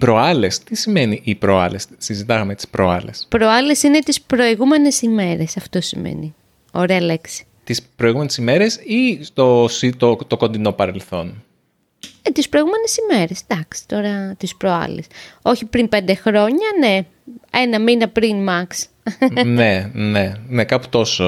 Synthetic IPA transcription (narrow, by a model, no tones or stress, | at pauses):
ipɾo̞ɐlest̪isime̞niʔːpɾoɐ̰lessizit̪ɐɣɐmet̪i̥spɾoɐ̰lespɾo̞ɐlesine̞t̪ispɾo̞iɣume̞nesime̞ɾe̞sɐft̪o̞simḛni | o̞ɾeɐle̞ksi̥ | t̪ispɾoiɣume̞nesime̞ɾesist̪osit̪ot̪oko̞nd̪ino̞pɐɾe̞lθo̞n | et̪ispɾoiɣume̞nesime̞ɾe̞sd̪ɐksi̥t̪o̞ɾɐt̪ispɾoɐ̰lḛso̞çipɾimpe̞nd̪e̞xɾo̞ɲɐne̞ | enɐminɐpɾinmɐks | nenenekɐpu̥t̪o̞so